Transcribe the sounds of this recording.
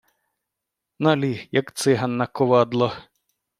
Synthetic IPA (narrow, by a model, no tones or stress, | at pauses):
nɐlʲijɐkt̪sɪɦɐnːɐkɔʋɑd̪lˠɔ